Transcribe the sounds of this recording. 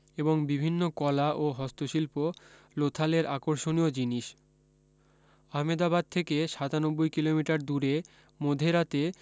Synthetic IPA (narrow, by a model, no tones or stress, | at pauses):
eboŋbibʱinːokɔlaʔoɦɔst̪oʃilpo | lot̪ʰaleɾʔakoɾʃoniod͡ʑiniʃ | aɦmed̪abad̪̚t̪ʰekeʃat̪anobːojkilomiʈaɾd̪uɾe | mod̪ʱeɾat̪e